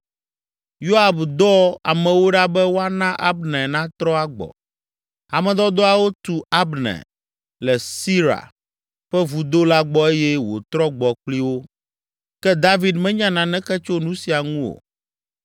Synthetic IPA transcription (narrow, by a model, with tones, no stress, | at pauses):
jo˦a˨bd̪ɔ˦a̰˨mɛ̃˨wo˦ɖa˦bɛ˦wo˦a˦nã˦ʔa˦bnɛ̃˨nã˦t̪ɾɔ˦a˦ɡ͡bɔ̰˨ | a˨mɛ̃˨d̪ɔ˦d̪ɔ˦a˨wo˦t̪u˨a˦bnɛ̰˨ | lɛ˨si˦ɾa̰˨ | ɸɛ˦vu˨d̪o˦la˦ɡ͡bɔ˦e˦jɛ˦wo̰˨t̪ɾɔ˦ɡ͡bɔ˨k͡pli˦wo˦ | kɛ˦d̪a˦vi˨d̪mɛ̃˦ɲã˦nã˨nɛ̃˦kɛ˦t͡ʃo˦nũ˦si˨a˨ŋũ˦o̰˨